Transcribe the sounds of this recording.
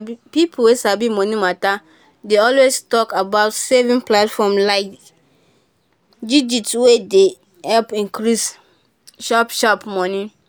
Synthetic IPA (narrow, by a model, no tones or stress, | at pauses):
pipʰulwesabimɔ̃nĩmata | deɔlwestɔkabaʊtsevĩnplatfɔmlaɪk | did͡ʒitwede | hɛlpĩnkɹis | ʃapʃapmɔnĩ